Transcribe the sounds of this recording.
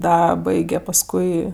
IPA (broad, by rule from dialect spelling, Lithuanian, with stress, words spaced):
ˈdɐ ˈbɐɪɡʲɛ pɐˈskʊɪ